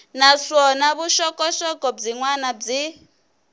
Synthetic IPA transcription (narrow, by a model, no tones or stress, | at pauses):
naʂɔnaβuʃɔkʼɔʃɔkɔb͡ʐiŋwanab͡ʐi